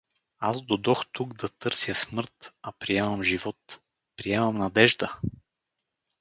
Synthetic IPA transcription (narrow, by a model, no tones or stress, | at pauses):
azd̪od̪ɔxt̪uɡd̪ɐt̪ɤɾsjəsmɤɾt̪ɐpɾiɛmɐmʒivɔt̪ | pɾiɛmɐmnɐd̪ɛʒd̪ə